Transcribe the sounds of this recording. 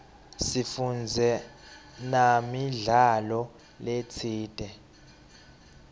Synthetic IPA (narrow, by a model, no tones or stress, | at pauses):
sifund͡zʱɛ | namiɮalɔ | let͡sʰiːd̥ʱɛ